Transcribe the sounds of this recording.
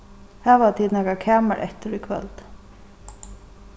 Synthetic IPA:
haːʋat̪ʰiːd̪nakakʰɛːmaɾʔɛ̰ht̪ɪɾʏkʰvɛ̰lt̪

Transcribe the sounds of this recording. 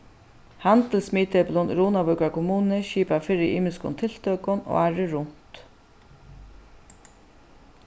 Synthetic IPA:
hant̪əlsmiːt̪ɛplɔnɾuːnabʏkakʰʊmuːnɪʃiːpafɪɾɪʔiːmɪskʊ̰nt̪ʰɪlt̪œkʊnɔ̰aɹɪɾʊn̥t̪

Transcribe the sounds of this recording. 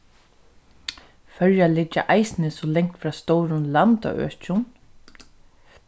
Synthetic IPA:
fœɾjalɪt͡ʃːa̰ʔajsnɪsɔlɛŋkt̪fɾaːst̪owɾʊnlant̪a̰ʔœ̰ːt͡ʃʊn

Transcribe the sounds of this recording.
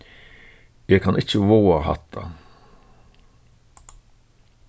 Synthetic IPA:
jeːkʰɑnɪt͡ʃəʋoːɑhɑ̰t̪ʰːɑ̰

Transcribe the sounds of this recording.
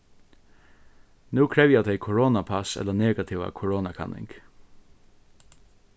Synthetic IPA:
nʉːkʰɹɛʋjad̪ʰɛɪkʰʊɹɔːnapʰasɛ̰t̪ləneːɡat̪ʰiʋa̰kʰʊɹoːnakʰɑ̰nʔɪ̰ŋk

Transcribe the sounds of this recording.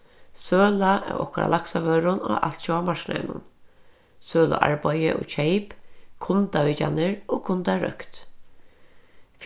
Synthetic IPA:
søːlaʔɛ̰ɾɔ̰kɔɾa̰laksaʋœːɾʊna̰ʔalt̪t͡ʃɔamaɹkna̰nʊ̰n | søːla̰ʔa̰ɹbajɪ̰ʔʊ̰t͡ʃʰejpkʰʊnt̪aʋit͡ʃanɪɹɔkʰʊnt̪aɾœ̰kt̪ | f

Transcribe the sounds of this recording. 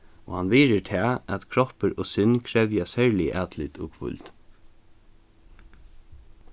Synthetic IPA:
o̰ːhanʋiːɾət̪ʰɛːæt̪kʰɾɔhpəɾoːsʏnːkʰɾɛʋjasæɹlɪʔæːd̪lɪt̪o̰ːɡfʊ̰lt̪

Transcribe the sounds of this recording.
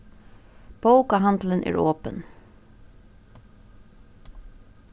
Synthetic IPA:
b̥oʊkaɦɑnd̪lənʔæ̰ːɹoːpən

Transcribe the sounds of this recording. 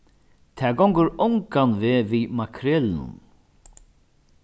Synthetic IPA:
t̪ʰɛːɡɔwŋkəɾɔŋkanvɪːvimakʰɾɛːlnʊ̰n

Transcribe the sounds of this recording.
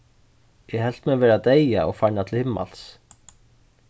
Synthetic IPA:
jɛɦɛl̥t̪mɛːvɛːɾat̪eːjaɔɣfajɳat̪ʰɪlhɪmːa̰l̥s

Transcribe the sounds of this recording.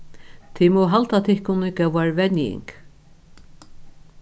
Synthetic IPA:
t̪ʰimɔwɦalt̪at̪ʰɪhkʊnɪkɛwaɹvɛnjɪ̰ŋk

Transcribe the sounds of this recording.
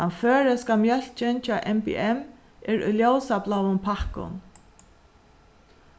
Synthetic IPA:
anføːɹəskamjœl̥t͡ʃɪnt͡ʃaːʔɛmpḭɛm | ɛɹʊ̰jljowsaplawʊnpʰahkʊ̰n

